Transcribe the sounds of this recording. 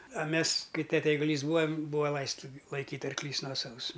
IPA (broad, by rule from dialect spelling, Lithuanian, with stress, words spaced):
ɐ ˈmʲɛs ˈkɐɪ ˈtʲæːtʲɛ ɛɪɡʊˈlʲiːs ˈbuːɐ ˈbuːɐ ˈlˠɐɪstɐ ˈlˠɐɪkʲiːtʲ ɐrkˈlʲiːs ˈnuɔsɐʋʊs